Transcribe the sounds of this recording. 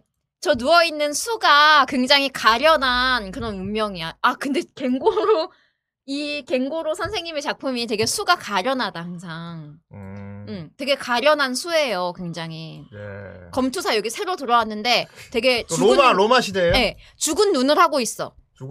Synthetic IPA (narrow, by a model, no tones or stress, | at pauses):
t͡ɕʌnuʌinːɯnsʰuɡakwe̞ŋd͡ʑaŋɦikaɾjʌnɦankɯɾʌnumːjʌŋiaakɯnde̞ke̞ŋɡoɾo | ike̞ŋɡoɾosʰansʰe̞ŋɲimet͡ɕak̚pʰumit̬e̞ɡe̞sʰuɡakaɾjʌnadahaŋsʰaŋ | ɯmtwe̞ɡe̞kaɾjʌnɦansʰue̞jokwe̞ŋd͡ʑaŋɦi | kʌmtʰusʰajʌɡisʰe̞ɾotɯɾʌwanːɯnde̞twe̞ɡe̞t͡ɕuɡɯmaɾomaɕʰideje̞t͡ɕuɡɯnːunɯɭhaɡois͈ʌ̰